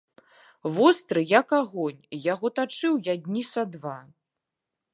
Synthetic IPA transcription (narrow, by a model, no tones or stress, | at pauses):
vɔst̪ɾɨjakaɣɔnʲjaɣɔt̪at͡ʂɨwjad̪ʲnʲisad̪va